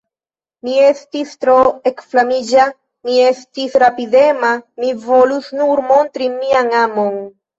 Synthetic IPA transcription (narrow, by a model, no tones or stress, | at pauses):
mie̞stistɾoekflamid͡ʒa | mie̞stisɾapide̞mamivo̞lusnuɾmo̞ntɾimiaŋamo̞n